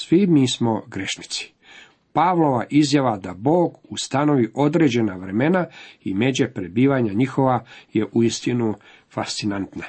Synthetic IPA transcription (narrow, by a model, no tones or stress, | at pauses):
sʋimiːsmo̞ɡɾe̞ʃni̥t̪si̥ | paʋlˠo̞ʋaʔizjaʋad̪abo̞ːɡust̪ano̞ʋiʔo̞d̪ɾe̞d͡ʑe̞naʋɾe̞me̞naime̞d͡ʑepɾebiːʋaɲaɲixo̞ʋaje̞ʔuist̪inu | fast̪sinant̪na